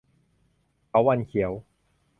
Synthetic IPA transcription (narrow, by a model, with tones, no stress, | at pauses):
ka˨˦wa˧nkʰi˨˩˦ə˦w